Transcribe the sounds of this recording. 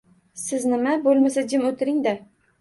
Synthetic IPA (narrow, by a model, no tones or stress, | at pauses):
sɪznɪmabolˠmasad͡ʒɪmot̪ʰɪɾɪŋd̪a